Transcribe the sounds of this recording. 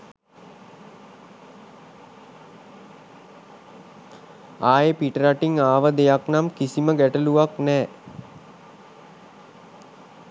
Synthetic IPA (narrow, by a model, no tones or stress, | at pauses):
aːjepiʈəɾaʈiŋaːʋəd̪ejaknamkisiməɡæʈəluʋaknɛː